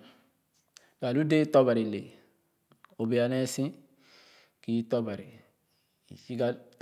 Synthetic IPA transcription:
ɡa˨lu˦de˦tɔ˦ba˨ɾi˨lḛ˨ | o˨be˨a˨nɛ˦sĩ˦ | ki˨˦tɔ˦ba˨ɾi˨ | ḭ˨t͡ʃi˦ɡa˦

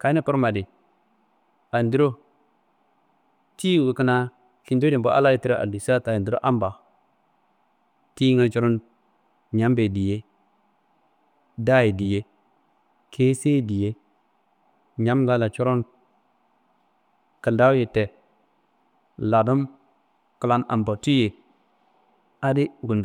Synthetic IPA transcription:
ka˨i˦ni˦pu˦ɾma˨di˨ | a˨ndi˦ɾo˦ | ti˦˨wi˨kə˦na˦ | ki˨ndo˦di˨mbo̰˦ʔa̰˦la˦ji˨˦ti˦ɾo˦ʔa̰˨di˨sa˦ta˨ji˨ndi˦ɾo̰˦ʔa˦mba˨ | ti˦ŋə˦t͡ʃo˦ɾo˦n | ɲa˦mbe˨di˨je˦ | da˦ji˨di˨je˦ | kʰe˦se˦di˨je˦ | ɲa˦mla˦la˨t͡ʃo˦ɾo˦n | kə˨nda˦je˨te˨ | la˨du˦m | kə˨la˦na̰˨mba˨tu˦je˨ | a˦di˦ɡu˨nd

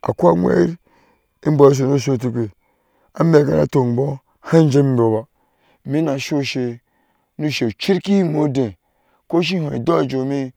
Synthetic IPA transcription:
a̰˨ku˦a˦ŋʷ˦ḛ˦ɾ | i˦bo˨i˦s̬o˨no˦ʃ̬o˦˨t̬i˨kʷe˨ | a̰˦me˨ka̰˨˦na̰˨to˨n˨bo˦ | ha˦n˦d͡ʒe˦m˦bo˨ba˨ | mi˦na˨ʃo˦ʃe˨ | nu˦ʃe˨u˨t͡ʃi˦ɾki˦mo˨˦dẽ˨ | ko˦ʃ̬i˦hõ˨ḭ˨do˦˨d͡ʒo˨˦mi˦

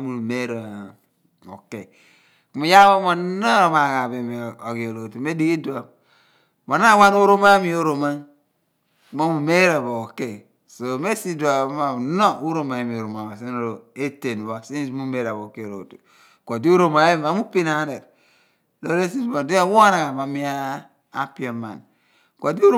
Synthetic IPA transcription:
a˦mu˨nu˨me˦ɾo˨ | o̰˨ke˨ | ku˦ma˨˦ja˦wo˦mo˨˦no˦ɾma˨ɣa˨βe˨m˨o˨ɣi˨o˨lo˨tu˨me˦di˦ki˦do˨a˨m | ma˨na˦wa˦n˦u˦ɾo˦ma˦mi˦o˦ɾo˨ma˦ | ku˦ma˦mu˨me˦ɾa˨βo˨o˨ke˦˨ | so˨me˦si˦du˨a˨˦ma˨no˦u˦ɾo˦ma˨e˨mi˨o˨ɾo˨ma˨ma˨si˦o˨ɾo˨e˦te˨n˨wa˨si˦smu˦me˦ɾa˨βo˨ke˦˨ɾo̰˨tu˨ | ko˨di˦u˦ɾo˦ma˨˦ma˨˦mu˦pi˦na˨˦ne˨t | lo˦ɾe˦si˦smo˨di˦a˦wo˦na˨a˨ma˨˦mi˦a̰ː˦ | pi˦e˨ma̰˨n | ko˨di˦o˦ɾ

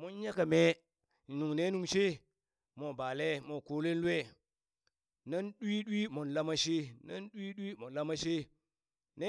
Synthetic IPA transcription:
mo˦n˦ja˦ka˨me˦˨ | nu˨ŋne˦nu˨ŋʃe˦ | mo˨ba˨le˦mo˨ko˦le˦n˦lu˦e˦˨ | na˦nɗwi˦ɗwi˦mo˨nla˦ma˦ʃe˦na̰˦nɗi˦ɗwi˦mo˨la˦ma˦ʃe˦ | ne˦

